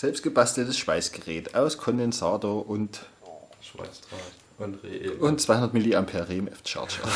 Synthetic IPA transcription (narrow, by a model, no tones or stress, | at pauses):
z̥ɛlpst̚ɡ̥əbastl̩təsʃv̥aɪsɡ̥əʁɛːtaʊskʰɔndɛnsaːtoɐʔʊnt | ʊntt͡sv̥aɪhʊndɐtmɪliːampʰɛɐʁeːmʔɛft͡ʃa̰ɐtʃɐ̰